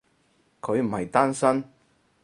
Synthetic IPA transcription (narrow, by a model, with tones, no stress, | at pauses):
kʰɵ˨˧ɥm̩˨˩hɐ˨jt̪aː˥nsɐ˥n